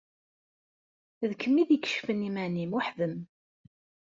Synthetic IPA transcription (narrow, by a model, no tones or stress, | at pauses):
ðkʰəmːiðikə̥ʃfənimænimʊħðəm